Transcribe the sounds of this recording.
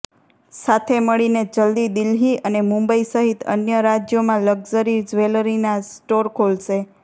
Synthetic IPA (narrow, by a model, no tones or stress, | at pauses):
sat̪ʰeməɭined͡ʒəld̪id̪ɪlɦiʔənemũmbəisəɦit̪ə̰njəɾad͡ʒjomãləɡd͡ʒəɾid͡ʒʋeləɾinasʈoɾkʰolʃe